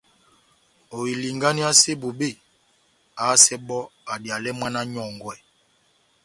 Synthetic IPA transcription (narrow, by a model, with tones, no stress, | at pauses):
o˨i˨li˨ŋɡa˦ni˦a˦se˦bo˨be˦˨ | a˨˦sɛ˦ɓɔ˦a˨dja˨lɛ˦mwa˦na˦ɲɔ˨ŋɡwɛ˨